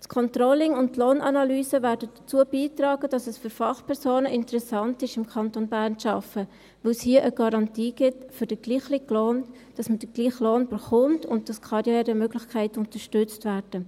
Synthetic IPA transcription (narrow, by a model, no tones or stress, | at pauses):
tkʰɔntrɔlɪŋʊnttloːnʔɑnɑlyːsəvæːɾdədət͡suəbiːtrɑːɡ̥əd̥ɑsɛsfʏɾfɑχpʰɛɾsoːnəʔɪntəɾɛsɑntɪʃɪmkʰɑntonbæːrnʃɑfə | ʋoshiːəʔəɡ̥ɑɾɑntiːɡɪtfʏɾd̥əɡ̥liːχlɪkloːn | d̥ɑsməd̥əɡ̥liːχloːnb̥əɾχʊmtʊ̰nt̚d̥ɑskʰɑɾjɛːɾəmøɡlɪxkʰæɪtʊntəʃtʏt͡stvæːɾd̥ə